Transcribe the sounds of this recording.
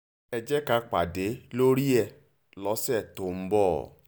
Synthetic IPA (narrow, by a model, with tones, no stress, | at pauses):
ɛ˧d͡ʒɛ˦ka˧k͡pa̰˨de˨˦lo˦ɾi˦ɛ˧˨ | lɔ˨˦sɛ˦˨to˨m̩˦bɔ̰˦˨